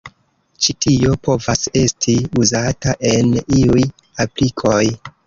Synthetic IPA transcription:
t͡ʃitʰio̞po̞vase̞stʰiuzataʔe̞niuj | aplikʰo̞j

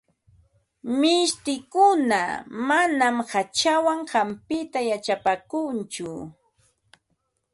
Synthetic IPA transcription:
mɪʃt̪ɪkʊna̰manamhat͡ʃawaŋɢampɪt̪ajat͡ʃapakʊnt͡ʃʊ

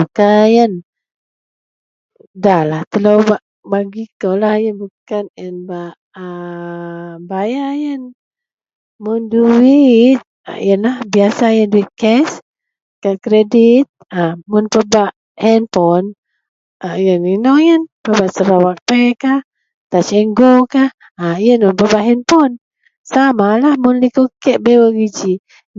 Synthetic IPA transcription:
bukajən | dahlaht̪əlowbaʔ | baɡikolahjənbukanjənbaʔ | ə | bajajən | mʊnduwit̪̚jənlahbiasajənduit̪̚kɛs | kakɾedit̪̚əmʊnpəbaʔ | hɛnfɔn | ʔajəninɔŋjənpəbaʔsəɾawak̚pɛkah | t̪at͡ʃɛŋɡokah | ajənmʊnpəbaʔɦɛnfɔn | samalahmʊnlikukɛʔ̚bewəɡid͡ʒi

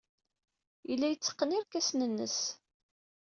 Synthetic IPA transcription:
ilːæjət͡sːə̥qːəniɾkæsnənːə̰s

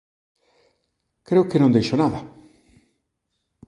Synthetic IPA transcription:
kɾeokenõnd̪ejʃonaða

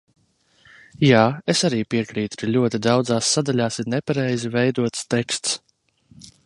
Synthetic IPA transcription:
jaːesaɾiːpiɛkɾiːt̪u̥kalʲuɔt̪id̪awd̪zaːsːad̪aʎʲaːsiɾnɛpaɾɛjzivɛjd̪uɔt̪st̪ɛkst̪s

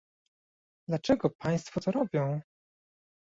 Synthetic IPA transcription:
d̪lat͡ʂɛɡɔpaj̃st̪fɔt̪ɔɾɔbʲjɔ̃w̃

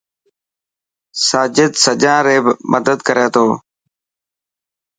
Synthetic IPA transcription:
saːd͡ʒɪd̪səd͡ʒãːɾeːbmʔəd̪əd̪kəɾeːt̪ʰoː

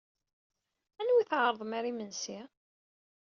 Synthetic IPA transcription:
ænwiθʕɾˤðˤmaɾimənsi

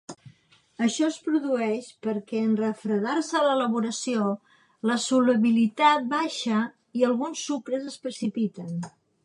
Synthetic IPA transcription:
əʃɔəspɾuðuɛʃpəɾkɛənrəfɾəðarsələləβ̞uɾəsio | ləsuləβilit̪at̪̚baʃə | iəlˠɣunsːukɾəzəspɾəsipit̪ən

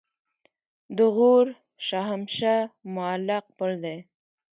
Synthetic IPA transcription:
d̪əɣoɾ | ʃaɦamʃamʊalaq̚pəld̪e

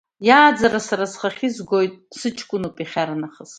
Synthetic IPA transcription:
jaːd͡zaɾasaɾazχaχʲizɡo̞jtʼsɨt͡ʃʰkʷʼʊnopʼiχʲaɾanaχəs

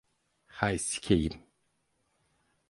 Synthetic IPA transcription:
hajsi̥kʲʰejim

